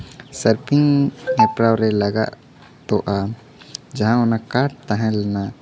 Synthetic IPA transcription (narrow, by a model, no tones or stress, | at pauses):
səɾpiŋɛpɾawɾɛləɡa̰ʔ | t̪ɔʔa | d͡ʒaɦãʊnakaʈ̚t̪ãɦɛ̃lɛna